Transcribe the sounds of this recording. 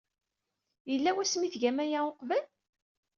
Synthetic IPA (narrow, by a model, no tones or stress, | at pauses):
jəlːæwæsmiθʝæmæjæoqvæl